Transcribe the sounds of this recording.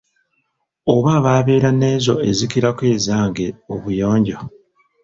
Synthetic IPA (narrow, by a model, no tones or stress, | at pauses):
oβaːβaːβe̞ːɾane̞ːzo̞̰ezikiɾakwe̞ːzaːŋɡe̞oβujo̞ːɲɟo̞